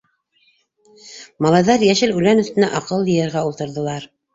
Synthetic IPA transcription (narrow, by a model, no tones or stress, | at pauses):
mɑlˠɑjðɑɾjæʃɘlʉlænɵ̆θt̪ɘ̆næʔɑqɤlˠjɤ̆jɤ̆ɾʁæulˠt̪ɤ̆ɾðɤ̆lˠɑɾ